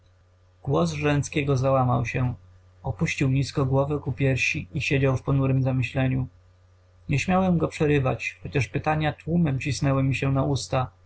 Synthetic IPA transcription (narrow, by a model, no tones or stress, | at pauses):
ɡ̥wɔzʐɛntskʲɛɡɔzawama̰wɕɛ | ɔpuɕt͡ɕiwɲiskɔɡwɔvɘkupʲjɛɾɕiiɕed͡ʑawfpɔnuɾɘmzamɘɕlɛɲu | ɲɛɕmʲjawɛmɡɔpʂɛɾɘva̰t͡ɕxɔt͡ɕaʂpɘt̪aɲat̪wumɛmt͡ɕisnɛwɘmʲiɕɛnaust̪a